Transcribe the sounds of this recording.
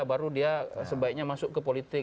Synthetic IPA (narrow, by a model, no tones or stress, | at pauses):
baɾudiasəbaik̚ɲamasʊkkːəpolit̪ɪk